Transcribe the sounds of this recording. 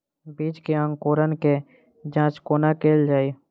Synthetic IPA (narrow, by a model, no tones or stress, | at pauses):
biːt͡ʃkeə̃ŋkoːɾənke | d͡ʒãːt͡ʃkoːnakeːld͡ʒaːiː